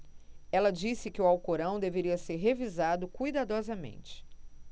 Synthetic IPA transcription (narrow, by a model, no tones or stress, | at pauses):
ɛlɐd͡ʒisɪkɪʊawkoɾɐ̃w̃d̪eveɾiɐseɾɦevizad̪ʊkujd̪ad̪ɔzɐmḛ̃nt͡ʃɪ̥